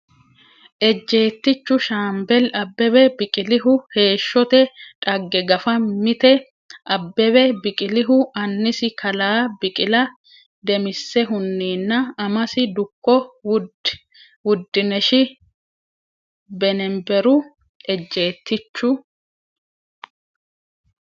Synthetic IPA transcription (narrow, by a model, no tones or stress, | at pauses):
ʔɛd͡ʒːe̞ːt̪ːɪt͡ʃːʊʃaːmbɛlɐbːɛbɛbɪkʼɪlɪɦʊhe̞ːʃːɔt̪ɛᶑʼɐɡːɛɡɐfɐmɪt̪ɛ | ʔɐbːɛβɛbɪkʼɪlɪɦʊɐnːɪsɪkʰɐlaːbɪkʼɪlɐ | d̪ɛmɪsːɛɦʊnːiːnːɐːmɐsɪd̪ʊkːɔw | wʊd̪ːɪnɛʃɪ | bɛnɛmbɛɾʊ | ɛd͡ʒːe̞ːt̪ːɪt͡ʃːʊ